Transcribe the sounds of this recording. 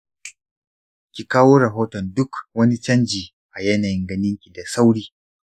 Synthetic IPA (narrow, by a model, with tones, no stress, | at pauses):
kʲi˨kaː˦woː˦ɾɐ˨ɦoː˦tɔ˨ndʊ˦kwɐ˦ni˦t͡ʃɐ˦nd͡ʒiː˨ | ʔa˨jɐ˦naː˨jɪ˦ŋɡɐ˦nɪ˦ŋkʲi˨da˨sa˦wɽiː˦